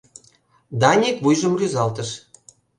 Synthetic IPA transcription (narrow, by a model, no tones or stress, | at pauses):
d̪ɑnʲekβujʒə̆mryzɑlt̪ə̆ʃ